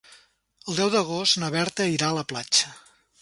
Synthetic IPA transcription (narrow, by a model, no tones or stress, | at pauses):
əlˠd̪ɛwðəɣ̞ost̪nəβɛɾt̪əiɾaələplat͡ʃə